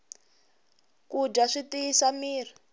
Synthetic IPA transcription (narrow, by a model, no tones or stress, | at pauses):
kud͡ʒaʂitiisamiːr̤i